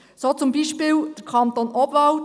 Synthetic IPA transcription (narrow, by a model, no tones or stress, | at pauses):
soːt͡sʊmbiʃpɪːwd̪̥əɾkʰχɑnt̪onʔɔbvɑwt